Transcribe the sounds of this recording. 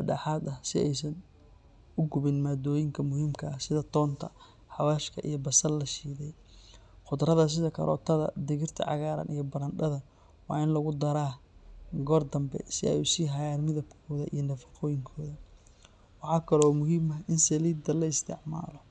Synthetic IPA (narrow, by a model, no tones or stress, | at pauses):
bɐɖɑːħɑːd̪ɐhsɪɛjsɐn | ʊɡʊβɪnmad̪ɔːjɪŋkʰɐmʊhiːmkʰɐːhsɪðɐt̪ʰɔːnt̪ʰɐ | ħɑwaːʃkʰɐʔḭjɞbɐsɐllɐʃiːðɛj | qʊd̪ɾɐðɐs̬ɪðɐkʰɐ̰ɾʔɔ̰ːt̪ʰɐðɐ̰d̪ɪɣɪrt̪ʰɐ̰ʕɑ̰ɣaːɾɐ̰nʔijɔbɐɾɐnɗɐðɐ | wɑ̰ːɪnlɐɣʊd̪ɐɾaː | ɡɔːrd̪ɐmbɛ̰sɪ̰ɛ̰jʊsiːɦɐjaːnmɪðɐbkʰɔːðɐʔḭjɞnɐfɑ̥qɔːjɪŋkʰɔːðɐ | wɑħɑːkʰɐlɔmʊɦiːmɐɦɪnsɐliːd̪ɐlɐɪst̪ʰɪ̰ʕma̰ːlɔ